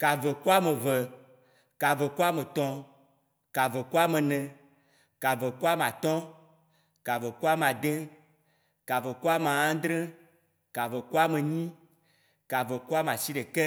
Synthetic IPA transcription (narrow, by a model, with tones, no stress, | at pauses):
ka˨ve˨ku˦a˦me˨vɛ˨ | ka˨ve˨ku˦a˦me˨t̪ɔ̃˨ | ka˨ve˨ku˦a˦mẽ˨nɛ̃˨ | ka˨ve˨ku˦a˦m˨a˨t̪ɔ̃˦ | ka˨ve˨ku˦a˦m˨a˨d̪ẽ˦ | ka˨ve˨ku˦a˦m˨a˨ã˦d̪ɾɛ̃˦ | ka˨ve˨ku˦a˦me˨ɲĩ˦ | ka˨ve˨ku˦a˦m˨a˨si˦ɖe˨kɛ˦